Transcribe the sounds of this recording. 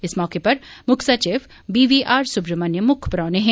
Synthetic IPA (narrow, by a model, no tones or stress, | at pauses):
ɪsmɔːkepɐɾmʊkʰsat͡ʃeːf | biːʋiːʔaːɾsʊbɾəmɐnjəmʊkʰpɾɔ̃ːneɦɛ̃ː